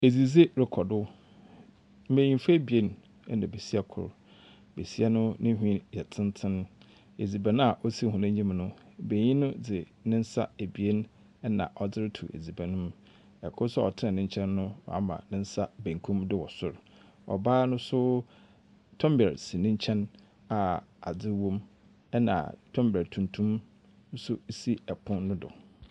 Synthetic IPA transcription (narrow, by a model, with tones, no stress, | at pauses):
e˨d͡zi˨ze˦ɾɪ˨kʰɔ˨dʊ˦ | m̩˦mẽ˨ɲĩ˨m˦fa˦e˦bi˨e˦n | ɛ̰˦nã˨be˨si˦ɛ˦˨kʰʊ̰˨ɾ | be˨si˦ɛ˦nʊ̃˦nɪ̃˦ɦᶣĩ˦jɛ˨tʰɪ̃˦n˦tʰɪ̃˦n | e˨d͡zi˨bæ˨nʊ̃˦a˨ʔɔ˦si˦˨hũ˨nã˦ɲĩ˦m˨nʊ̃˦ | be˨ɲĩ˦nʊ̃˦d͡zɪ˨ | nɪ̃˦n̩˦sa̰˦e˨bi˨e˦n˦ | nã̰˨ʔɔ˨d͡zɪ˦ɾtʰṵ˨ʔḛ˨d͡zi˨bæ̃˨nʊ̃˦m | ɛ˨kʰʊ˦sʊ˦ɔ̰˨tʰɪ˦nɛ˨nɪ̃˦ɲ˦t͡ɕʰɛ̃˦nːʊ̃˦w̰a̰˦mã̰˨nɪ̃˦n̩˦sa˦bæ̃˨ŋ˨kʰũ˦mdɪ˦wɔ˨sʊ˦ɾ | ɔ̰˨baː˦nʊ̃˦sʊ˦ | tʰɔ̃˦mbɛ˨ɾsi˨nɪ̃˦ɲ˦t͡ɕʰɛ̃˦n | a˨a̰˨d͡zɪ˦wõ˦m | ɛ˦nã̰˨tʰɔ̃˦mbæ˨tʰũ˨ntʰũ˦m | n̩˦sʊ˦si˦ɛ˨pʰʊ̃˦nnʊ̃˦dʊ̰˨